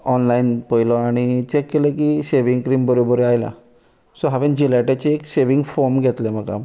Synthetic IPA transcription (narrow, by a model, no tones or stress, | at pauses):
ɔnlainpəjlɔaɽ̃it͡ɕekːelẽkiseʋiŋɡkɾiːmbəɾobəɾeajla̰ | sɔɦaʋẽnd͡ʑilaʈat͡ɕeːkseʋiŋɡfɔɾmɡʱɛt̪lɛ̃m̤əka̰m